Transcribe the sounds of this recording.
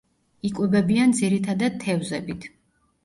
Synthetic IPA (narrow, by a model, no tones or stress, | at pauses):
ikʼwɛbɛbiand̪ziɾit̪ʰad̪ad̪̚t̪ʰːɛvzɛbit̪ʰ